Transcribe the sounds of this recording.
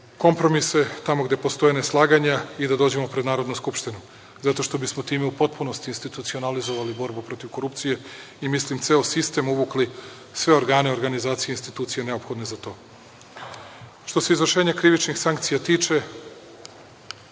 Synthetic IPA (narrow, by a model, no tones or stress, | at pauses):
ko̞mpɾo̞mise̞t̪amo̞ɡd̪e̞post̪o̞jeneslˠaːɡaɲaid̪ad̪o̞ːd͡ʑe̞mo̞pɾed̪naːɾod̪nuskupʃt̪inu | zat̪o̞ʃt̪o̞bismo̞t̪iːmeupo̞t̪̚punost̪iːnst̪it̪ut̪sio̞nalizo̞ʋalibo̞ɾbupɾo̞t̪iʋko̞ɾupt̪sije̞ | imislimt̪se̞osist̪e̞muʋukli | sʋe̞o̞ɾɡaːne̞o̞ɾɡanizaːt̪sijeinst̪it̪uːt̪sijene̞o̞pxo̞d̪ne̞zat̪o̞ː | ʃt̪o̞se̞izʋr̩ʃeːɲakɾiʋit͡ʃnixsaŋkt̪sijat̪iːt͡ʃe̞